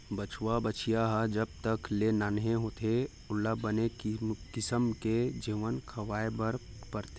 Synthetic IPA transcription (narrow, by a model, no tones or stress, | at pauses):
bət͡ʃʰwabət͡ʃʰijaɦəd͡ʒɐb̚t̪əklenaːnɦẽɦoːt̪ʰe | ʊlːabənekɪsəmked͡ʒiːʋənkʰɐʋaːebəɾ | pəɾt̪e